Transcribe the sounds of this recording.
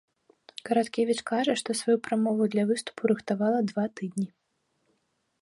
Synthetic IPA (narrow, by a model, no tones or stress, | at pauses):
kɐɾat̪kʲevʲit͡ʂkaʐɐʂt̪ɔsvajupɾamɔvud̪lʲɐvɨst̪u̥puɾɨxt̪avalˠɐd̪vat̪ɨd̪ʲnʲi